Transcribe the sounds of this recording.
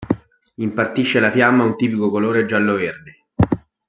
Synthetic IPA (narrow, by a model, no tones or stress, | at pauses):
impart̪iʃːelafjamːaunt̪iːpikokoloːɾed͡ʒːalːoverd̪e